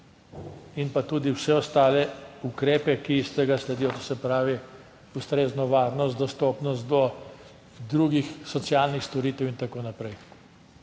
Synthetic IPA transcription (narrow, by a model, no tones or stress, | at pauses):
inpat̪uːd̪iwsɛɔst̪aːlɛukɾeːpɛkist̪ɛɡaslɛd̪ijɔt̪osɛpɾaːʋi | ust̪ɾeːznɔʋaːɾnɔst̪d̪ɔst̪ɔpnɔst̪̚d̪ɔ | d̪ɾuɡixsɔt̪sjaːlnixst̪ɔɾiːt̪ɛwint̪akoːnapɾɛj